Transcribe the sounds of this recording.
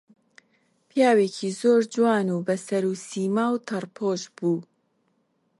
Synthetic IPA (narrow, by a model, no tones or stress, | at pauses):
pijaːweːkʰizoːɾd͡ʒwaːnuːbɐsɐɾusiːmaːwt̪ʰɐrpʰoːʃbuː